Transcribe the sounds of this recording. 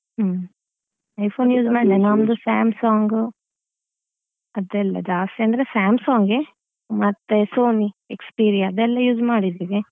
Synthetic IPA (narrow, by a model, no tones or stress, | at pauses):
ɐjpʰoːnjuːd͡ʒmaːɽid̪enamd̪usaːmsaːŋɡu | ɐd̪ɛlːɐ̰d͡ʒaːsʈeɐnd̪ɾesaːmsaːŋɡe | mɐt̪ːesoːniekspiːɾijɐɐd̪ɛlːɐjuːd͡ʒmaːɽid̪iʋi